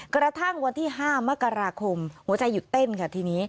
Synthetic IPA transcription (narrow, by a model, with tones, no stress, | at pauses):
kɾa˧t̪ʰa˥˩ŋwa˧nt̪ʰiː˥˩ɦaː˥˩ma˦˥ka˧ɾaː˧kʰo˧mhu˩˦ɐt͡ɕa˧jːu˨˩t̪ːe˥˩nkʰa˦˥˩t̪ʰiː˧niː˦˥